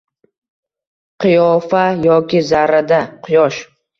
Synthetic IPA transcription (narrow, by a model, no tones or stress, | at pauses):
qʰɨjɒfajɒkʲɪzaɾad̪aqʰʊjɒʃ